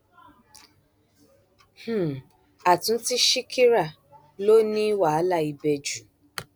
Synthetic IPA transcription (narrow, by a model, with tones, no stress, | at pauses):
h̩˦˨ | a˨tũ˨n˦ti˦ʃi˦kʰi˦ɾa˦˨ | lo˦nĩ˦wa˨a˨˦la˦˨i˧be˧d͡ʒu˨